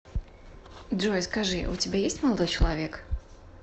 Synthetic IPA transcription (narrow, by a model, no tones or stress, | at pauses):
dʐɔjskaʐɨṵt͡sʲibʲajesʲtʲmalˠad̪ɔjt͡ʃɐlˠavʲɛk